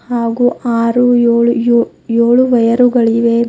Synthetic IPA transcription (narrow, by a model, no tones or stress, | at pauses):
haːɡuːaːɾuoːɭu | joːɭuʋɐjɐɾuɡɐɭiʋeː